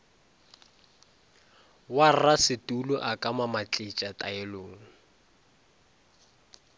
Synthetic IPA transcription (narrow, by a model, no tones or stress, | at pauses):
warasɪtʼulʊʔakʼamamat͡ɬʼɪt͡ʃʼatʼaɛloːŋ̩